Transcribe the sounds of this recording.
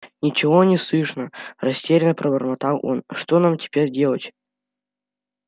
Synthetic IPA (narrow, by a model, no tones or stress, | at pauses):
nʲɪt͡ɕɪvonʲɪslˠɨʂnərɐsʲtʲeɾʲɪnəpɾəbərmɐt̪alˠo̰nʂt̪onamtʲɪ̥pʲeɾʲdʲe̞lˠətʲ